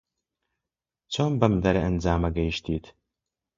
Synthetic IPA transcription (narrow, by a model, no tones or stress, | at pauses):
t͡sʰoːmbɐmdɐɾɐʔənd͡zaːmɐɡɐjʃtʰiːtʰ